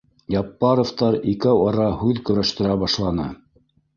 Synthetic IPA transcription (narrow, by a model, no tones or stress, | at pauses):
jɑpːɑɾoft̪ɑɾikɘwɑɾɑhʉðkɵ̆ɾæʃt̪ɘ̆ɾæbɑʃlˠɑnɤ̰